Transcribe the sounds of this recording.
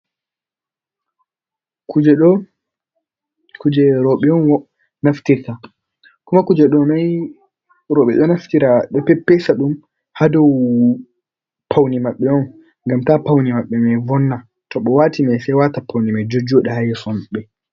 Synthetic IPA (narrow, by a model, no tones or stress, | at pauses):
kud͡ʒɛɗɔ | kud͡ʒɛɾɔɓɛɔnwɔ | naftiɾta | kumakud͡ʒɛɗɔmaj | ɾɔɓɛɗɔnaftiɾaɗɛpɛpːɛsaɗum | hadɔw | pʰawnimaɓːɛɔn | ŋɡamtapawnimaɓːɛmɛjvɔnːa | tɔɓɔwatimajsɛjwatapːawnimajd͡ʒod͡ʒɔɗɛhajsɔmɓɛ